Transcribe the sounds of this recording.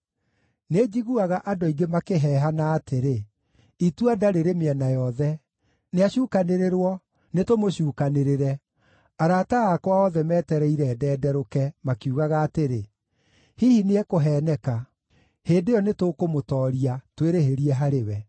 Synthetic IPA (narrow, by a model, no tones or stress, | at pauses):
ned͡ʑiɣuaɣaʔadoiɡemakeɦɛːɦanaːtʰeɾe | ituadaɾeɾemeɛnajɔðɛ | neaɕuːkaneɾeɾwɔ | netomoɕuːkaneɾeɾɛ | aɾaːtaɣakwaɔðɛmɛːtɛɾɛiɾɛːdɛːdɛɾokɛmakuɣaɣaːteɾe | hihineɛkoɦɛːnɛka | heːdejɔnetokomotɔːɾiatweɾeheɾiɛɦaɾewɛ